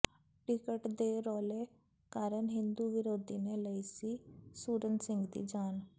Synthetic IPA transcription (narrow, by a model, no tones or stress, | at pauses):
ʈɪkəʈd̪eːɾɔːleː | kaːɾənɦɪ̃nd̪uːʋɪɾoːd̪iːneːləiːsiːsuːɾənsɪ̃ŋɡd̪ḭːd͡ʒaːn